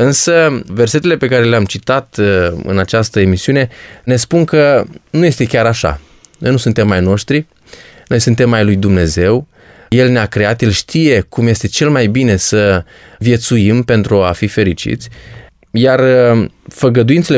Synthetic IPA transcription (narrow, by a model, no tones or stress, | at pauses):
ɨnsəve̞rse̞t̪e̞le̞pe̞kaɾe̞leamt͡ʃit̪at̪ɨ̰nat͡ʃast̪əe̞misiune̞ne̞spunkənuje̞st̪e̞kʲaɾaʃa̰ | no̞jnusunt̪e̞mːajno̞ʃt̪ɾi | no̞jsunt̪e̞mːajlujd̪umne̞ze̞w | je̞lneakɾe̞at̪jelʃt̪ije̞kumje̞st̪e̞t͡ʃe̞lmajbine̞sə | vje̞t̪suimpe̞nt̪ɾuafife̞ɾit͡ʃḭt̪sʲ | jar | fəɡəd̪uint̪sele